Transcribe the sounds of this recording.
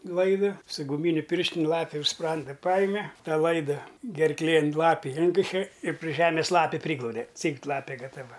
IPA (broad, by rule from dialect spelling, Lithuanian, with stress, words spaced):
ˈlˠɐɪdɐ sʊ ɡʊˈmʲiːnʲʊ pʲɪrʲʃʲtʲɪnʲ ˈlˠɑːpʲɪ ʊʃ ˈsprɐndɐ ˈpɑːjɪmʲɛ ˈtɑː ˈlˠɐɪdɐ ɡʲɛrˈklʲeːn ˈlˠɑːpʲɪ ˈɪŋʲkʲɪʃʲɛ ɪr pʲrʲɪ ˈʒʲæːmʲɪs ˈlˠɑːpʲɪ ˈpʲrʲiːɡlˠɐʊdʲɛ ˈt͡sʲiːkt ˈlˠɑːpʲeː ɡɐtɐˈʋɐ